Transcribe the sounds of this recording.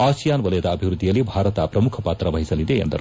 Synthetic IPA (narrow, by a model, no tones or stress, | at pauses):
aːsijaːnʋɐlɐjɐd̪ɐːbʱiʋɾud̪ʱːijɐlːibʱaːɾɐt̪apɾɐmukʰɐpaːt̪ɾɐʋɐɦisɐlid̪eɐ̰nd̪ɐ̰ɾu